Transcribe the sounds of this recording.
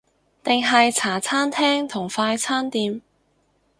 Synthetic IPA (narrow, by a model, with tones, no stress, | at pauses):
t̪ɪ˨ŋɦɐ˨jt͡sʰaː˨˩t͡sʰaː˥nt̪ʰɛː˥ŋt̪ʰʊ˨˩ŋfaː˧jt͡sʰaː˥nt̪iː˨˧m